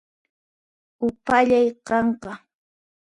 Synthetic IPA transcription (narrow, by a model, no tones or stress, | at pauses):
ʊpaʎajqɑɴqɑ